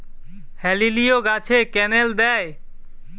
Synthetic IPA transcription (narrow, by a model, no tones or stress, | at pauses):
hɛlilijoɡat͡ɕʰekɛneld̪ɛj